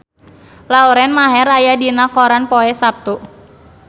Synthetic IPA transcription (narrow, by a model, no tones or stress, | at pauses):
lauɾɛnmaɦɛɾajadinakɔɾanpɔɛsap̚t̪u